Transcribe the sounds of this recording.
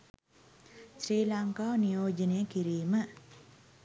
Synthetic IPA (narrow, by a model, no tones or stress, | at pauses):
sɾiːlaŋkaːnijoːd͡ʒənejəkiɾiːmə